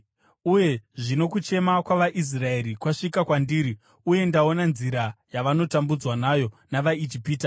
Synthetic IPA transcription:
uje̞ʐino̞kut͡ʃe̞makwaʋaʔis̬rae̞ɾikwaʂikakwandiːɾi | uje̞ndao̞nanziɾajaʋano̞tambud͡zwanajo̞naʋaid͡ʒipiːta

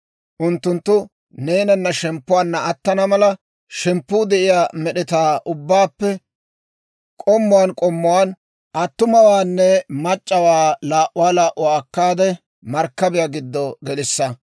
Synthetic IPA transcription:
ʔʊnt̪ːʊnt̪ːʊ | neːnɐnːɐʃɛmpːʊwaːnːɐɐt̪ːɐnɐmɐlɐ | ʃɛmpːuːd̪ɛʔɪjaːmɛɗɛt̪aːʔʊbːaːpːɛ | kʼɔmːʊwaːnkʼɔmːʊwaːn | ʔɐt̪ːʊmɐwaːnːɛmɐt͡ʃʼːɐwaːlaːʔʊwaːlaːʔʊaːkːaːd̪ɛ | mɐɾkːɐbɪjaɡɪd̪ːɔɡɛlɪsːɐ

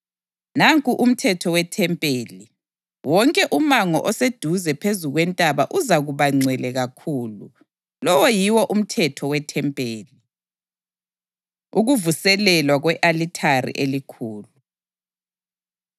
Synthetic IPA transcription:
naŋkʼuʔum̩tʰɛtʰɔwɛtʰɛmpʼeːli | wɔŋkʼɛʔumaŋɔʔɔsed̥ʱuzɛpʰezuɣwɛntʼaβaʔuzaɣuβaŋ͡ǀʱwɛlɛɣakʰuːlu | lɔwɔjiwɔʔum̩tʰɛtʰɔwɛtʰɛmpʼeːli | uɣuvusɛlɛlwaɣwɛʔalitʰarḭʔelikʰuːlu

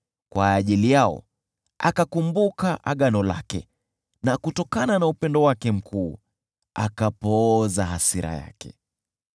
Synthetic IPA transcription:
kwaːʄilijaɔ̰ | akakumbukaʔa̰ɠanɔla̰kɛ | nakutɔkananaupɛndɔwakɛm̩kʰuː | akapɔzaɦasiɾʔa̰ja̰kɛ

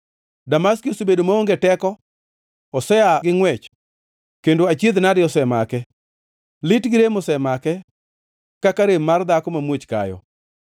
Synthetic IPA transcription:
damaskosobedomaoŋɡetɛkɔ | ɔsɛaɡɪŋwɛt͡ʃ | kendoat͡ʃjed̪nadɪɔsɛmakɛ | lɪtɡɪɾemosɛmakɛ | kakaɾemard̪akɔmamwot͡ʃka̰jɔ̰

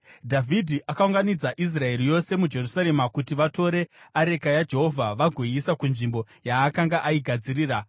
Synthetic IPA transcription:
dʱavʱidʱiʔakauŋɡanid͡zaʔis̬rae̞ɾijo̞se̞mud͡ʒe̞rusaɾe̞makutiʋato̞ɾe̞aɾe̞kajad͡ʒe̞ɦo̞vʱaʋaɡʱwiisakunʐimbo̞ | jaːkaŋɡaʔaiɡʱad͡ziɾiːra

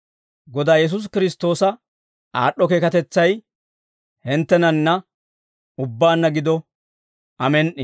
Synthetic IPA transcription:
ɡɔd̪aːjɛs̬ʊs̬kɪɾɪst̪ːo̞ːsɐ | aːɗːɔkeːkɐt̪ɛt͡sːɐj | hɪnt̪ːɛnɐnːɐ | ʊbːaːnːɐɡɪd̪ɔ | ɐmɛnʔɪ

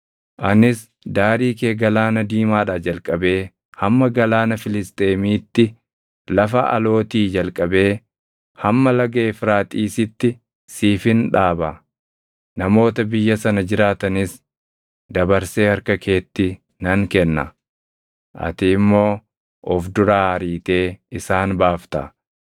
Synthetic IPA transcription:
ʔɐnɪs | d̪aːɾiːkeːɡɐlaːnɐd̪iːmaːᶑad͡ʒɐlkʼɐbe̞ː | hɐmːɐɡɐlaːnɐfɪlɪst̪ʼe̞ːmiːt̪ːɪ | lɐfɐʔɐ̰lo̞ːt̪iːd͡ʒɐlkʼɐbe̞ː | hɐmːɐlɐɡe̞ːfɪɾaːt̪ʼiːsɪt̪ːɪ | siːfɪnᶑaːbɐ | nɐmo̞ːt̪ɐbɪjːɐsɐnɐd͡ʒɪɾaːt̪ɐnɪs | d̪ɐbɐɾse̞ːhɐɾkɐkʰe̞ːt̪ːɪ | nɐŋkɛnːɐ̰ | ʔɐ̰t̪ɪmːo̞ː | ʔɔfd̪ʊɾaːhɐɾiːt̪e̞ːɪsaːnbaːft̪ɐ̰

